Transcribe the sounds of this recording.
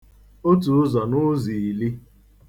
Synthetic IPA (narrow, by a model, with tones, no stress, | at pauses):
o˦tu˨˦zɔ˨nʊ˦zi˨i˨li˦